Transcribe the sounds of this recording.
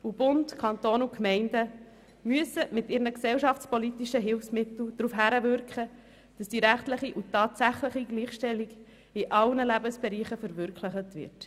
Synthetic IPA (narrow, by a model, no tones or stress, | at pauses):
ub̥ʊntkʰɑnt̪oːnukmɛɪndə | myəsəmɪtɪːɾnəksɛlʃɑftt͡spɔlitiʃəɦɪlfsmɪt̪l̩d̥ɾuːfɦæɾəvʏɾkχə | d̥ɑsd̥iɾæχtləχiʔutɑːtsæχləχiɡliːχʃtɛlːiɡ | iʔɑlnəlæbəsb̥ɛɾiːχəfəɾvʏɾkləχətvɪ̰ɾt